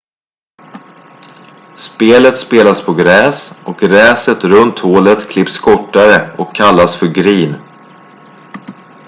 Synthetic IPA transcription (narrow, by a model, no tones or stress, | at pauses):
speːlət̪speːlaspʰɔɡɾɛːsʔɔk̚ɡɾɛːsət̪ɾɵnt̪hoːlət̪kʰlɪpskʰɔʈːaɾəɔkʰːalːasfœɾɡɾiːn